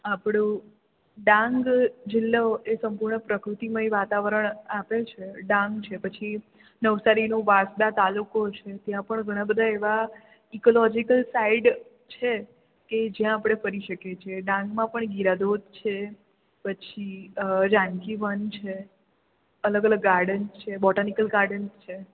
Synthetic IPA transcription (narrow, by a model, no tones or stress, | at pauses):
apɽ̃õ | ɖãŋɡd͡ʒɪlːaoʔesəmpuɾɳəpɾəkɾut̪iməiʋat̪aʋəɾəɳapet͡ʃʰeɖãŋɡt͡ʃʰepət͡ʃʰi | nəʋsaɾinoʋasd̪at̪alukot͡ʃʰet̪jãpəɳɡʱəɽ̃ãbəd̪ʱaeʋa | ikolɔd͡ʒikəlsaiɖ | t͡ʃʰe | ked͡ʒjãːpɽ̃efəɾiʃəket͡ʃʰieɖãŋɡmãpəɳɡiɾad̪od̪̚ʱt͡ʃʰe | pət͡ʃʰiɾãŋkiʋənt͡ʃʰe | ələɡələɡːaɾɖənst͡ʃʰebɔʈanikəlɡaɾɖənst͡ʃʰe